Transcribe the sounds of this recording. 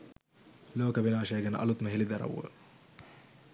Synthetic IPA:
loːkɐbenaːʃɛːɡən̰ʔɐ̰lut̪məɦelid̪ɐɾɐ̰wːə̰

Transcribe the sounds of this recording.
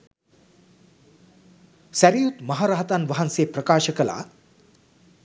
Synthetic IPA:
sæɾijut̪mɐɦaɾaɦɐt̪anʋɐɦanseːprəkaːʃəkəla̰ː

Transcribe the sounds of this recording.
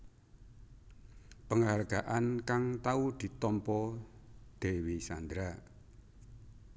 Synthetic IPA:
pəŋarɡ̥aʔankaŋt̪aud̪̥i̤t̪ɔmpɔ | d̪̥e̤wisand̪ɾa

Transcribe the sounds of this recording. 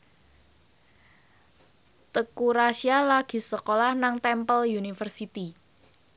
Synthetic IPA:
t̪əkuɾasialaɡ̥i̤səkolahnaŋt̪ɛmpəljunifərsit̪i

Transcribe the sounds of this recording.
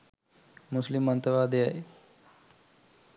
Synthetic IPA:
mʊslɪmːə̃nt̪əʋaːd̪eae

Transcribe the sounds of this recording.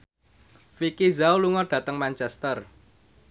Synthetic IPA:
fikizawluŋɔɖ̥ä̤t̪əŋmant͡ʃɛst̪ər

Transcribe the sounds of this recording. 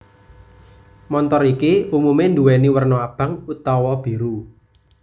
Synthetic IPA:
mɔnt̪ɔɾikiumumend̪uwɛniwərnɔab̥ä̤ŋut̪ɔwɔb̥i̤ɾu

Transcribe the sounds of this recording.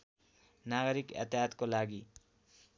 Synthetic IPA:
naɡʌɾikʌ̰t̪jʌt̪kolaɡi

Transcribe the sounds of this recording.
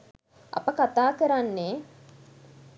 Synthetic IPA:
ɐ̰pəkat̪aːkəɾanːe

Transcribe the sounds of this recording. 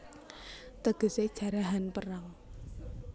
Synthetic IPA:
t̪əɡ̥ə̤se̥ʒ̥a̤ɾaɦanpəraŋ

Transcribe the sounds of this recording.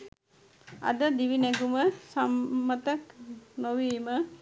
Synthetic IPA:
a̰d̪əd̪iʋinɛɡuməsamːət̪əknoʋiːmə

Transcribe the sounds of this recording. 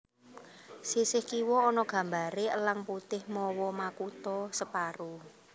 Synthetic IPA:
sisɪhkiwɔːnɔɡ̥ä̤mbaɾeəlaŋput̪ɪhmɔwɔmakut̪ɔsəpaɾu

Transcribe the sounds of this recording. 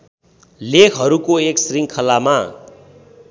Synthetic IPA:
lekʰɦʌɾukoeksriŋkʰʌlama

